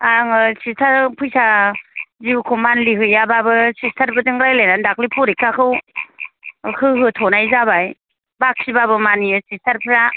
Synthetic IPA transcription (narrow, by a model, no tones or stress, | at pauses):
aŋɯsistʰaɾpʰɯjsa | zibkʰumanliɦɯjababɯsistʰaɾbɯdɯŋɾajlajnandaklipʰɔɾikːakʰɯw | hɯɦɯtʰɔnajzabaj | bak̚sibabɯmanijɯsistʰaɾpʰɯɾa